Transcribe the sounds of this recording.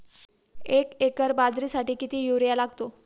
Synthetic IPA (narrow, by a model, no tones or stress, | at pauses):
ekekəɾbad͡zɾiːsaʈiːkit̪iːjuɾjalaɡt̪o